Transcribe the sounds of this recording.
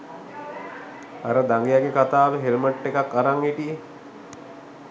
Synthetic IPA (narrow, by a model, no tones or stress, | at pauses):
aɾəd̪aŋɡejaɡekat̪aːʋəɦelməʈːekakːaɾaŋiʈije